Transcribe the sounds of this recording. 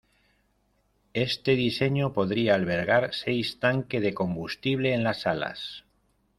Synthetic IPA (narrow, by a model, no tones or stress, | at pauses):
e̞st̪e̞ðise̞ɲopo̞ðɾiaːlβe̞ɾɣ̞aɾsejst̪aŋke̞ðe̞ko̞mbust̪iβ̞le̞ːnlasala̰s